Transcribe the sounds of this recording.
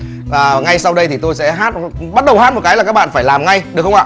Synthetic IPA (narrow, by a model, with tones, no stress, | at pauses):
vaː˨˩ŋa˧jsa˧wɗə˧jt̪ʰi˨˩t̪o˧jsɛ̰˧˥ɦaː˦˥t̚ɓa˦˥t̚ɗə˨˩wha˦˥mo˨˩t̚kaː˨˦laː˨˩kaː˦˥k̚ɓaː˧˨nfaː˧˩jlaː˨˩mŋa˧jɗɨ˨˩əkxə˧wŋ͡ma̰ː˧˨